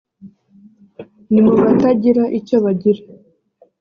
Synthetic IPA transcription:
nimuβataɟiɾaʔicoβaɟiɾa

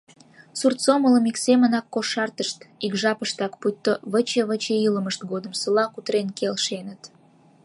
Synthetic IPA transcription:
surt̪t͡somələmiksemənɑkːoʃɑrt̪əʃt̪ikʒɑpəʃt̪ɑkput̪ːoβət͡ɕeβət͡ɕeiləməʃt̪ɡod̪əmsəlɑkut̪ɾenkelʃenət̪

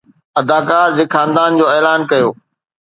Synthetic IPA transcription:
ɐd̪aːkaːɾd͡ʑeːxʰãːnd̪aːnd͡ʑoːeːlaːnkɐjoː

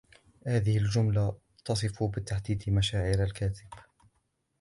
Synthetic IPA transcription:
haːðɪhɪld͡ʒʊmla | t̪ɑsˤɨfubɪt̪ːaħd̪iːd̪maʃaːʕɪɾalkaːt̪ɪb̥

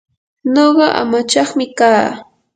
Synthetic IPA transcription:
noɢɑʔa̰mat͡ʃɑχmɪkaː

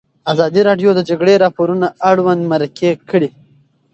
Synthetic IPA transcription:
azɑd̪iɾɑɖjod̪əd͡ʒaɡɽeɾɑpoɾunaaɽwand̪maɾakʰekəɽi

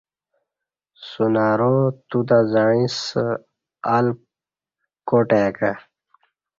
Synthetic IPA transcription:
sunaːɾot̪ud̪azaɻĩs | al | koʈaka

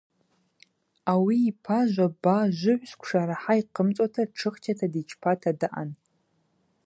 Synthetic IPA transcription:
awiːpʰaʒʷabaʒʷʊʕʷskʷʰʂaɾaħaiqʰəmt͡sʷʼatʰaʈ͡ʂʰɨχt͡ʃʰatʰadit͡ʃʰpʰatʰadaʔa̰n

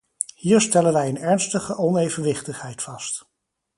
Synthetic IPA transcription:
hiːɹstɛlənʋɛjənɛɹnstəχəʔɔnejvənʋɪχtəχɦɛjtfɑst

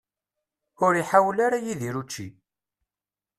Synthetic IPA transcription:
ʊɾiħawlaɾajiðiɾut͡ʃːḭ

